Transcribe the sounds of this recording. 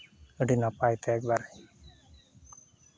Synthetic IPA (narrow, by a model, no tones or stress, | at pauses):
əɖinapajt̪ʰeekbaɾ